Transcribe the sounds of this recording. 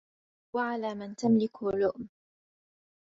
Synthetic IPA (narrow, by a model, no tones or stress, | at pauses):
waʕalaːmant̪amlɪklʊʔm